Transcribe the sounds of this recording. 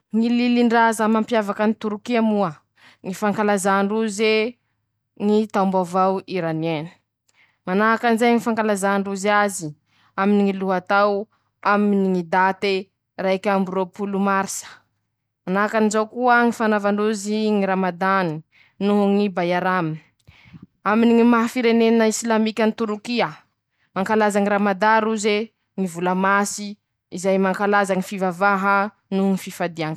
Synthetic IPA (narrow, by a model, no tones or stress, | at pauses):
ŋililiɳɖ͡ʐazamampjavakənit̪uɾukiamuə | ŋifaŋkalazaɳɖ͡ʐuze | ŋit̪awmbavawiɾanieni̥ | manaɦakanizajŋifaŋkalazaɳɖ͡ʐuzazi | aminiŋiluɦat̪aw | aminiŋid̪at̪e | raikʲamburopulumaɾisə̥ | anakanizawkuəŋifanavanuziŋiɾamad̪ani | nuɦuŋibajaɾami | aminiŋimaɦafiɾeneninaislamikʲanit̪uɾukia | maŋkalazaŋiɾamad̪aɾuze | ŋivulamasi | izajmaŋkalazaŋifivavaɦə | nuɦuŋififad̪iaŋ